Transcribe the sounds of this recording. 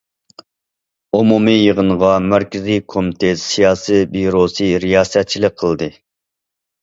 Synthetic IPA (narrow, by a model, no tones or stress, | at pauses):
omumijəʁənʁɑmæɾkʲɪzikʰomɪt̪ʰesijɑːsibiɾosɨɾijɑːsɛt̪̚t͡ʃʰilɪk̚qʰəlˠd̪ɨ